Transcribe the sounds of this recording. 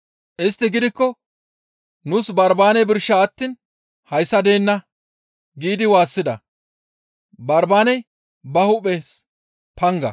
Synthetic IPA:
ʔɪst̪ːɪɡɪd̪ɪkːɔ | nʊsbɐɾbaːnɛjbɪɾʃːɐːt̪ːiːn | hɐjsːɐd̪e̞ːnːɐ | ɡiːd̪ɪwaːsːɪd̪ɐ̰ | bɐɾbaːnɛj | bɐhʊpːes | pɐŋɡɐ̰

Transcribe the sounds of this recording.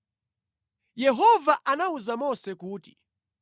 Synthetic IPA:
jɛɦɔvaʔanauzamɔsɛkuːti̥

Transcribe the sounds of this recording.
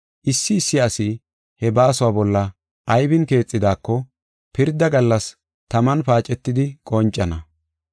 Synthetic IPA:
ʔɪsːɪːsːɪasɪ | hɛbaːsʊwaːbɔlːɐ | ʔɐjbɪnke̞ːt͡sʼːɪd̪aːkːɔ | pɪɾd̪ɐɡɐlːɐs | t̪ɐmɐnpaːt͡ʃʼːɛt̪ːɪd̪ɪkʼɔnt͡ʃʼːɐnɐ

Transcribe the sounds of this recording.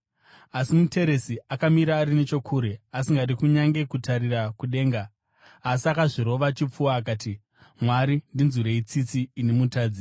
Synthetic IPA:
asimute̞ɾe̞siakamiɾaːɾine̞t͡ʃo̞kʰuːɾe̞asiŋɡatikuɲaŋɡe̞kutarirakuɗe̞ːŋɡaː | s̬iakaʐiɾo̞ʋat͡ʃip͡fuwaːk̬aːti | mwaɾindinzuɾeit͡sit͡siːnemutaːd͡zi

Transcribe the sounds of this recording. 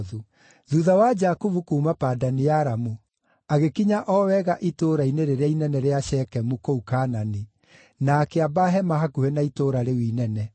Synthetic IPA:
ðu | ðuðawad͡ʒakuvukuːmapaːdanijaɾamu | aɣekiɲaʔɔwɛɣaʔitoːɾaineɾeɾeainɛnɛɾeaʃɛkɛmukoukaːnani | nakeabaɦɛmaɦakuhɛnaitoːɾaɾewiːnɛnɛ

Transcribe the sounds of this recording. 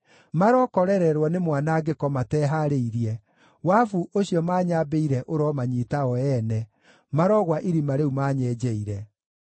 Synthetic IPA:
maɾɔkɔɾɛɾɛɾwanemwanaɡekɔmatɛɦaɾeiɾiɛ | wafuʔoɕijɔmaːɲaːbeiɾɛʔoɾɔmaɲitaɔɛnɛ | maɾɔɣwaʔiɾimaɾeumaːɲɛːd͡ʑɛiɾɛ

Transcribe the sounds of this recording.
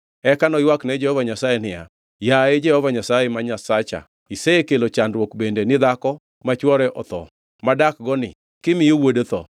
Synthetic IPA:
ɛkanɔjwaknɛd͡ʒɛhɔvaɲasajenɪja̰ | jaed͡ʒɛhɔvaɲasajemaɲasat͡ʃa̰ | iseekelot͡ʃandwokbendenɪd̪akɔ | mat͡ʃwɔɾɛʔɔt̪ɔ̰ | madak̚ɡɔnɪ̰ | kɪmɪjowodot̪ɔ̰

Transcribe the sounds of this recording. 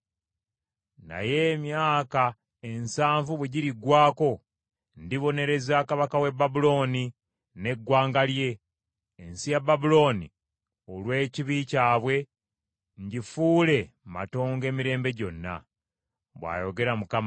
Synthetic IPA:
na̰je̞mjaːka | e̞nsaːɱvuβweɟiɾiɡwaːko̞ | ndiβo̞ne̞ɾe̞zaːkaβakawe̞babulo̞ːni | ne̞ɡwaːŋɡalje̞ː | nsijababulo̞ːnḭ | o̞lwe̞ːciβicaːβwe̞ | ɲɟifuːle̞ | ma̰to̞ːŋɡe̞ːmiɾe̞ːmbe̞ɟo̞nːa̰ | βwa̰ːjo̞ɡe̞ɾamukam

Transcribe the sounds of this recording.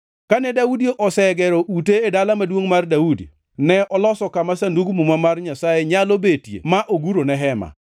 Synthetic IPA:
kanɛdaudioʔɔsɛɡɛɾɔʔuteːdalamadwoŋmardaudḭ | nɛʔɔlɔsɔkamasanduɡmumamarɲasajeɲalobetjḛmaʔoɡuɾonɛɦɛma̰

